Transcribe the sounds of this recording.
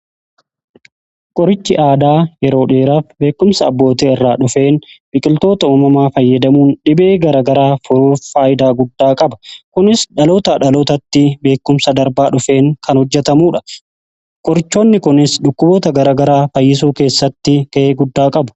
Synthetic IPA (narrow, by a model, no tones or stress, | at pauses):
kʼɔɾɪt͡ʃːɪʔaːd̪aːjɛɾo̞ːᶑeːɾaːfbe̞ːkːʊmsɐɐbːo̞ːt̪eːɪrːaːᶑʊfe̞ːnbɪkʼɪlt̪o̞ːt̪ɐuːmɐmaːfɐjːɐd̪ɐmuːnɗɪbe̞ːɡɐɾaːɡɐɾaːfʊɾuːfːaːjɪd̪aːɡʊd̪ːaːkʼɐbɐ̥kʊnɪsᶑɐlo̞ːt̪ɐᶑɐlo̞ːt̪ɐt̪ːɪbe̞ːkːʊmsɐd̪ɐɾbaːᶑʊfe̞ːŋkɐnhɔd͡ʒːɛt̪ɐmuːᶑɐ | kʼɔɾɪt͡ʃːo̞ːnːɪkʊnɪsᶑʊkːʊboːt̪ɐɡɐɾaːɡɐɾaːfɐjːɪs̬uːke̞ːsːɐt̪ːɪkɐʔeːɡʊd̪ːaːkʼɐbʊ̥